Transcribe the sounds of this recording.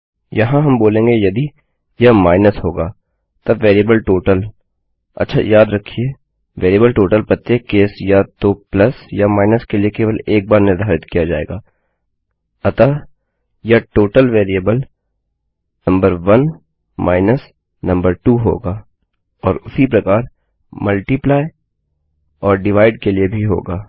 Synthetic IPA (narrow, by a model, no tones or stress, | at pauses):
jɐɦãɦɐmboːlẽːŋɡejɐd̪i | jɐmaːɪnəsɦoːɡaː | t̪ɐʋeːɾiəbəlʈoːʈəl | ɐ̰tːʃʰa̰jaːd̪ɾɐkʰieː | ʋeːɾiəbəlʈoːʈəlpɐt̪ːeːkeːsjat̪oplɐsjamaːɪnəskeliekeːʋəleːk̚baːɾnɪɾd̪ʱaːɾɪt̪kijad͡ʒaːḛːɡaː | ɐt̪a | jaʈoːʈəlʋeːɾiəbəl | nɐ̃mbəɾʋɐn | mʔaːɪnəs | nɐ̃mbəɾʈuːɦo̰ːɡaː | ɔːɾʊsipɾɐkaːɾ | mɐlʈiplaːɪ | ɔːɾɖɪʋaːɪɖkeliebʱiɦo̰ːɡaː